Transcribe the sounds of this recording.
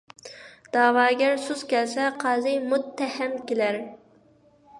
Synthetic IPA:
d̪̥ɑːwɑːɡʲɛɾsuzkʲɛlsɛqʰɑːzɨjmʊt̪ʰːæhɛmkʲelæɾ

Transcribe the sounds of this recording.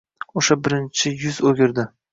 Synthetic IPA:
oʃabɪɾɪnt͡ʃʰɪjʊzoɡʲɪɾd̪ɪ

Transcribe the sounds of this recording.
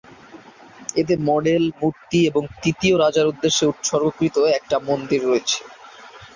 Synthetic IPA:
ed̪eɾmɔɖelmuɾt̪ieboŋt̪it̪ioɾad͡ʑaɾud̪ːeʃːeut̪ʃɔɾbokɾit̪oɛk̚ʈamond̪iɾːoet͡ɕʰe̥

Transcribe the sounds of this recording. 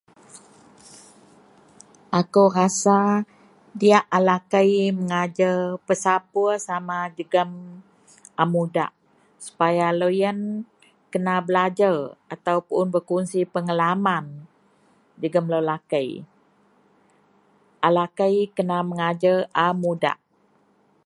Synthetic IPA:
ʔakəwrasa | diaʔalakəjməŋad͡ʒərpəsapuəsamad͡ʒəɡəm | ʔamuda̰ʔ | su̥pajalojən | kənabəlad͡ʒarʔat̪awpʊnbərkunsipəŋəlaman | d͡ʒəɡəmləlakəj | ʔalakəjkənaməŋad͡ʒəʔamuda̰ʔ

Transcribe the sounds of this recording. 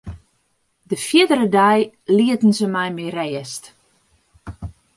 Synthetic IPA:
dəfjiədəɾədɛj | liətn̩səmɛjmireəst

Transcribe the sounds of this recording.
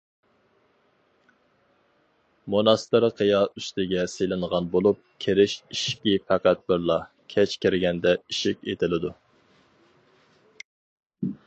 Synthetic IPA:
monɑst̪ɨɾqʰəjɑʔyst̪ʰɪɡʲɛselɪnʁɑnbolˠup̚kʲʰeɾɪʃiʃkʲipʰæqæt̪̚bɪɾlˠɑ | kʲʰɛt͡ʃkʲʰɪɾɪɡʲɛnd̪ɛiʃikʲet̪ʰɪlɪd̪u

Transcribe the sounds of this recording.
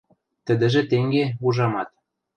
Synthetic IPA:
t̪ə̆d̪ə̆ʒĕt̪eŋɡeuʒɑmɑt̪̚

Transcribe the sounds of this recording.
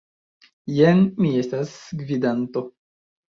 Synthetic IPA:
jenmie̞stasɡvidant̪o̞

